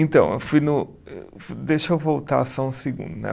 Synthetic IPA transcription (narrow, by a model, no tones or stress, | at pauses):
ẽnt̪ɐ̃w̃efujnʊ | fd̪eʃewvowt̪a̰sɔ̃ũsɪɡṵ̃nd̪ʊnɛ̰